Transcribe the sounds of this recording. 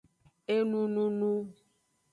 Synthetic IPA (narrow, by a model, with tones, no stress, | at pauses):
e˦nũ˦nũ˦nũ˦